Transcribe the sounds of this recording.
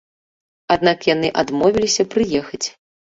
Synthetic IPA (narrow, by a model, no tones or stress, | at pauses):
ad̪̚nakjanɨʔad̪mɔvʲilʲisʲɐpɾɨjɛxɐt͡sʲ